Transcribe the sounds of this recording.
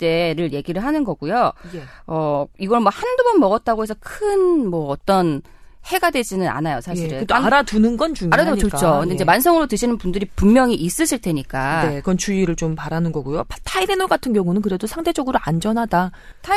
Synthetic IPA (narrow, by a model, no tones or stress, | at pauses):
t͈e̞ɾɯɭje̞ɡiɾɯɭɦanɯnɡʌɡujojʌiɡʌɭmwʌhandubʌnmʌɡʌt̚t͈aɡoɦe̞s̬ʰʌkʰɯnmwʌːt͈ʌn | he̞ɡadwe̞d͡ʑinɯna̰najosʰaɕʰiɾeoaɾadunɯnɡʌnt͡ɕuŋaɾaet͡ɕot͡ɕʰokɯndeiɲd͡ʑemans̬ʰʌŋɯɾotɯɕʰinɯnpundɯɾipuŋmjʌŋiʔis͈ɯɕʰiɭtʰe̞ɲik͈ane̞kɯɾʌnt͡ɕuiɾɯɭt͡ɕompaɾanɯnɡʌɡujoptʰailenoɡatʰɯnɡjʌŋunɯnkɯɾe̞dosʰaŋdʰe̞d͡ʑʌɡɯɾoand͡ʑʌnɦada | tʰ